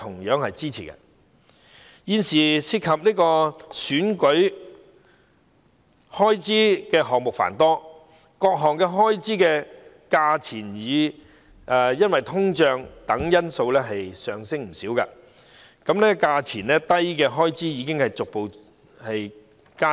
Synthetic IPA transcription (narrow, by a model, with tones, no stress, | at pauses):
t̪ʰʊ˨˩ŋjœː˨˥ŋhɐ˨jt͡siː˥t͡sʰiː˨˩kɐ̰˧˥ | jiː˨˧nsiː˨siː˧t̚kʰɐ˨p̚niː˥kɔː˧syː˨˥nkɵ˨˥ɥ | hɔː˥jt͡siː˥kɛː˧ɦɔː˨ŋmʊ˨k̚fa̰ː˨˩nt̪ɔː˥ | kɔː˧k̚ɦɔː˨˩ŋkɛː˧ɦɔː˥jt͡siː˥kɛː˧ | kaː˧t͡sʰiː˨˩njiː˨˧ | ʔɛː˨˩jɐ˥nwɐ˨jt̪ʰʊ˥ŋt͡ʃœː˧ŋt̪ɐ˨˥ŋjɐ˥nso˧wlɛː˥ɦɐ˨jsœː˨ŋsɪ˥ŋm̩˨˩siː˨˥wka̰ː˧ | kɐ˨˧˥mnɛː˥kaː˧t͡sʰiː˨˩nlɛː˥t̪ɐ˥jkɛː˧ɦɔː˥jt͡siː˥jiː˨˧k̬ɪ˥ŋhɐ˨jt͡sʊ˨k̚po˨w | hɐ˨j | kaː˥